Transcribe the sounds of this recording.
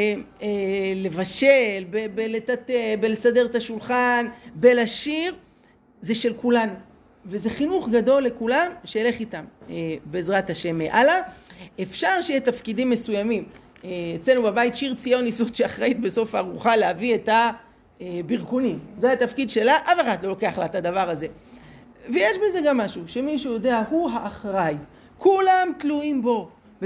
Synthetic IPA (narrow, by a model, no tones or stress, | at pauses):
ele̞vaʃelbebelet̪at̪ebelesadeʁt̪aʃulχanbe̞laʃiʁ | ze̞ʃe̞lkulanu | ve̞ze̞χinuχɡado̞lːe̞kulamʃeele̞χitamebe̞ːzʁat̪haʃe̞mːeʔalaefʃaʁʃejet̪afkidimːe̞sujamim | eet͡selnubabait̪ʃiʁt͡sijo̞nisut̪ʃeaχʁait̪be̞so̞faːʁuχalehavieta | biʁkonimzehat̪afkid̪ʃe̞laʔafeχad̪lo̞lo̞ke̞aχlat̪ad̪avaʁaze̞ | vejeʃbeze̞ɡamːaʃuʃe̞miʃujo̞de̞ahuɦaʔːχʁaj | kulamtluimbo̞ | v